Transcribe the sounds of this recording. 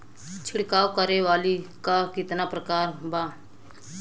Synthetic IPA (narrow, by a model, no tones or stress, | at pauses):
t͡ʃʰɪɽkaːwkəɾeʋaːlikakɪt̪napɾəkaːɾbaː